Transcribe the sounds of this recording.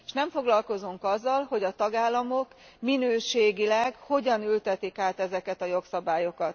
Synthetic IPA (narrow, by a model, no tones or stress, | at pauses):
eʃnɛɱfo̞ɡlɒlko̞zuŋkɒzːɒlho̞ɟɒt̪ɒɡaːlːɒmo̞k | minøːʃeːɡilɛɡho̞ɟɒnylt̪ɛt̪ikaːt̪ɛzɛkɛt̪ɒjoksɒbaːjo̞kɒt̪